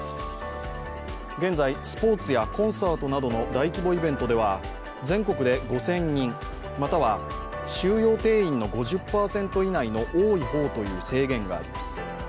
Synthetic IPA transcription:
ɡẽ̞nd͡zaisɨ̥po̞ːt͡sɨjakõ̞ɰ̃saːt̪o̞nad̪o̞no̞d̪aikʲibo̞ibẽ̞nt̪o̞d̪e̞β̞a | d͡zẽ̞ŋko̞kɯ̟d̪e̞ɡo̞sẽ̞ɲːĩŋ | mat̪aβa | ɕɨːjo̞ːt̪e̞ːĩnːo̞ɡo̞ʑɨpːaːsẽ̞nt̪o̞inaino̞ʔoːiho̞ːt̪o̞jɯ̟ːse̞ːɡẽ̞ŋɡa̰ːɾʲḭmasɨ̥

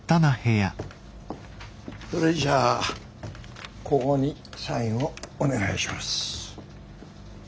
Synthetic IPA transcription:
t̪anaheja | soɾed͡ʑaː | koɡoɲisãĩɰoːne̞ɡaiɕimasɨ̥

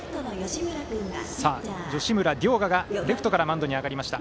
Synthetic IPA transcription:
onjoɕimɯɾaɯasaːd͡ʑo̞ɕimɯ̟ɾad̪ʲo̞ːɡaɡad̪e̞kʰɯ̥t̪o̞kaɾamãnd̪o̞ɲ̟iaɡaɾʲimaɕi̥t̪a

